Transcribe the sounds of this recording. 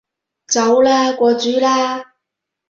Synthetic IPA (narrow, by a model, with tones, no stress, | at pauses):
t͡sɐ˨˧˥wlaː˥kʷɔː˧t͡syː˨˥laː˥